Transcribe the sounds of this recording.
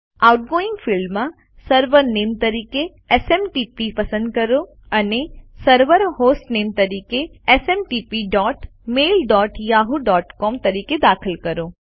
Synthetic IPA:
aːʊʈ̚ɡoːɪ̃ŋɡfʰɪlmã | səɾʋəɾneːmt̪ɐɾiːke | eseːmʈiːpipɐsə̃nd̪̚kɐɾo | ɐnesəɾʋəɾɦoːsʈneːmt̪ɐɾiːkeeseːmʈiːpiɖɔːʈmeːlɖɔːʈjaːɦuɖɔːʈkɔːmt̪ɐɾiːked̪aːkʰəlkɐɾo

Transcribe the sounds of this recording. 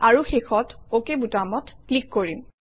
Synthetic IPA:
aɹuxexɔtokebutamɔtklikːoɹim

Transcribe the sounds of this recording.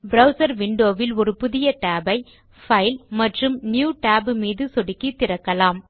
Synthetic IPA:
bɾɐʊsɐɾʋɪɳɖoːʋɪlɔɾɯpʊðɪjɐʈaːbɐɪ | fɐɪlmɐʈrɯmnjuːʈaːbɯmiːðɯsɔɽɪkːit̪ːɪɾɐkːɐlaːm

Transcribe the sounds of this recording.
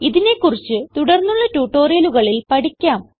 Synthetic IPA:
iðine̞kːurit͡ɕːɨt̪uɽɐrnːuɭːɐtuːʈːo̞ːrijɐluɣɐɭilpɐɽikʲːaːm

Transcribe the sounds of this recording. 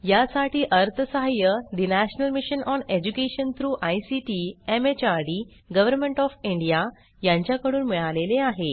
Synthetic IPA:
jasaʈiːʔəɾt̪ʰəsəɦajəd̪inæɕnəlmiɕənʔɔned͡ʑukeɕənt̪ʰɾuːʔajsiʈiemet͡ɕaɾɖi | ɡəʋəɾmeɳʈɔfiɳɖija | jãɲt͡ɕjakəɽuːnmiɭaleleaɦe

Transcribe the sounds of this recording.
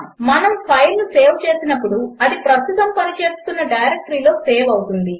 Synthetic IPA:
mɐnɐmpʰɐjlnuse̞ːʋt͡ʃe̞ːsinɐp̬ːuɽuɐd̪ipɾɐst̪it̪ɐmpɐnit͡ʃe̞ːst̪unːɐɖɐjɾek̚ʈɾiːlo̞ːse̞ːʋɐwt̪und̪i

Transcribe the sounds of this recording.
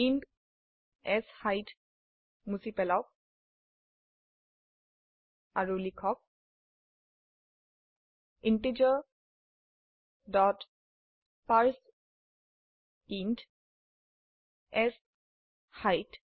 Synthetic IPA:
int | ɛshajt | musipɛlaʊk̚ | aɹulikʰɔk̚ | inted͡ʒɔ | dɔt | paɹs | int | ɛs | hajt

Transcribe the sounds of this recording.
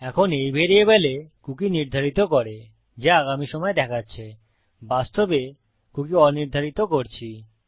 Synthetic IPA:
ɛkʰonejbʱeɾiebelekukiniɾd̪ʱaɾit̪okoɾe | d͡ʑeaɡamiʃɔmɔed̪ɛkʰatːɕʰe | bast̪obe | kukiɔniɾd̪ʱaɾit̪okoɾt͡ɕʰi

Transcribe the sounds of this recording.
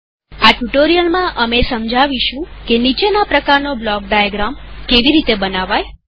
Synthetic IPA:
aʈuʈoɾijəlmãʔəmesəmd͡ʒʱaʋiʃũkenit͡ʃenapɾəkaɾnoblɔk̚ɖajəɡɾamkeʋiɾit̪ebənaʋaj

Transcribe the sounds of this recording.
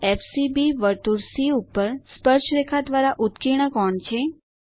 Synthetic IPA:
efsibiʋəɾt̪uɾsiupːəɾspəɾʃɾekʰad̪ʋaɾaʔut̪kiɽ̃əkɔɳt͡ʃʰe

